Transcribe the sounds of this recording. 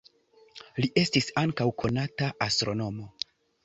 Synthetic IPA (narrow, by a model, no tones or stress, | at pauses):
liʔe̞stisaŋkawkʰo̞nataʔastɾo̞no̞mo̞